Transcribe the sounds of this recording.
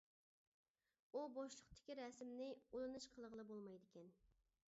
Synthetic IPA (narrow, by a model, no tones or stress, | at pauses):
ubɑʃlˠəqt̪ʰɪ̥kʲiɾɛsmnɪulˠɨnɨʃqʰəlˠəʁəlˠɨbolˠmɑjd̪ɪkʲɛn